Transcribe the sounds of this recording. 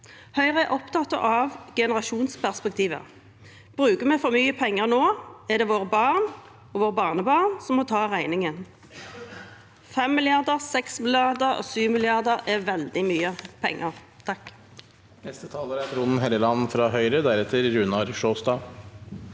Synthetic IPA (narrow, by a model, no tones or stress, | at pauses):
hœʏʁəɛʔɔpt̪ʰɑt̪ɑ̰ʔɑʋɡɛnəʁɑʃuːnspʰæʁspɛk̚t̪ʰiːʋə̰ | b̥ʁʉːkəmɛfɔmyːəpʰɛŋːəʁnoːɛʁd̪ɛːʋoːʁəbɑːʁn | ɔʋoːʁbɑːʁnəbɑːʁnsɔmːɔt̪ʰɑːʁæɪnɪŋən | fɛmːɪlɪɑʁd̪əʁsɛksmɪlɪɑʁd̪əʁɔ̰syːʋmɪlɪɑʁd̪əʁɛʋɛld̪ɪmyːəpʰɛ̰ŋːəʁ | t̪ʰɑk | nɛst̪ət̪ʰɑːləɾæt̪ʰɾunn̩ɦɛləlɑnːfɾɑɦœʏɾəd̪æɾɛt̪ʰəɾɾʉnɑɾʃoːst̪ɑː